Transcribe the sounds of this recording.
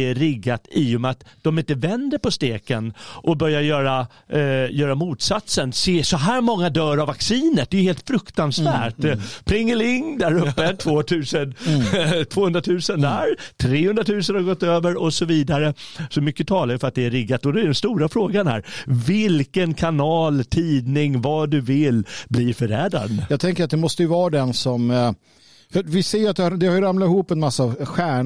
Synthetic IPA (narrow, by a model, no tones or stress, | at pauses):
æɾɪɡːat̪ijɔmɛat̪d̪ɔmɪnt̪əvɛnd̪əɾpɔst̪eːkənʔɔbœɾjajœːɾa | jœːɾamuːt̪sat̪sənseːsɔɦæːɾmɔŋːad̪œːɾavːaksiːnət̪̚d̪ɛjʏheːlt̪fɾɵkt̪ansvæːʈpʰɾɪŋːəlɪŋːd̪æɾɵpːət̪ʰvoːt̪ʰʉ̟ːsən | t̪ʰv̥oːɵnd̪ɾat̪ʰʉ̟ːsənd̪æɾt̪ʰɾeːhɵnd̪ɾat̪ʰʉ̟ːsənhaɾɡɔt̪ːøːvəɾɔsɔviːd̪aɾəsɔmʏkːət̪ʰɑːlaɾjʏfœɾat̪̚d̪ɛæɾɪɡat̪ːɔd̪ɛæɖɛnst̪uːɾafɾoːɡanhæ̰ːɾvɪlkənkʰanɑːlt̪ʰiːd̪nɪŋvad̪ɵvɪlbliːfœɾɛːd̪ɾa̰d̪jɑːɡ̚t̪ʰɛŋkəɾat̪̚d̪ɛmɔst̪əjɵvɑːɾad̪ɛnsɔm | fvɪseːjat̪̚d̪ɛhd̪ɛhaɾjɾamlat̪ɪhuːpːɛnmasːavɧæːɳ